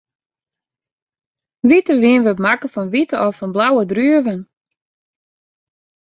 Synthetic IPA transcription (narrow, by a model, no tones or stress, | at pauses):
ʋitəʋiənʋəpmakəfɔnʋitəɔfɔnblawədryəvən